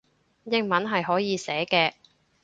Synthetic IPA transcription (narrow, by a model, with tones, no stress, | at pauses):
jɪ˧ŋmɐ˨˥nɦɐ˨jɦɔː˨˥jiː˨˧sɛː˨˥kɛː˧